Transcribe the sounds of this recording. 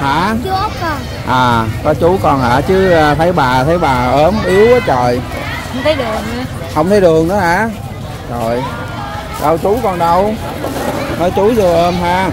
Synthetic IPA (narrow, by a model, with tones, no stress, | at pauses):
ha̰ː˧˩t͡ɕːkɔ˧˩ | ʔaː˨˩kɔ˨˦t͡ɕu˨˦kɔ˧nha̰ː˧˩t͡ɕɨ˨˦˨t̪ʰə˨˦jɓaː˨˩t̪ʰə˨˦jɓaː˨˩ʔəː˨˦mʔi˨˦əwʔəː˨˦t͡ɕɔ˨˩j | hə˧wŋ͡mt̪ʰə˨˦jɗɨ˨˩əŋa˨˧˦ | hə˧wŋ͡mt̪ʰə˨˦jɗɨ˨˩əŋɗɔ˨˦ʔaː˧˩ | t͡ɕɔ˨˩j | ɗə˧wt͡ɕu˨˦kɔ˧˩nɗə˧w | nɔ˨˦jt͡ɕu˨˦zɨ˧ʔəː˧mɦaː˧